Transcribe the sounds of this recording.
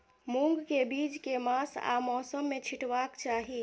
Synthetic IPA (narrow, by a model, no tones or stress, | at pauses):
mũŋɡkebiːd͡ʒkemãːsa̰mɔːsəmːẽt͡ʃʰɪʈwaːkt͡ʃaːɦi